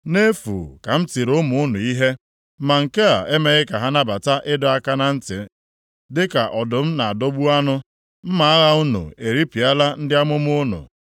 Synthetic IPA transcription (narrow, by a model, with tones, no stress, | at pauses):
ne˦fṵ˨ka˨m̩˦ti˨ɾʊ˦mʊ˨˦ʊ˦nʊ˨i˦ɦe˦ | ma˨ŋ̩˨ke˦a̰˨ʔe˦me˦ɣɪ˦ka˨ɦa˦na˦ba˨ta˦ʔɪ˦dɔ˨a˦ka˦na˦n̩˦tɪ̰˨ | dɪ˦ka˨ʔɔ˨dʊ˨m̩˦na˨a˨do˦ɡ͡bu˦a˦nʊ˦ | m̩˦ma˨a˦ɣa˦ʊ˦nṵ˨e˨ɾi˦pi˨a˦la˦n̩˦dɪ˦a˦mʊ˦m˦ʊ˦nʊ̰˨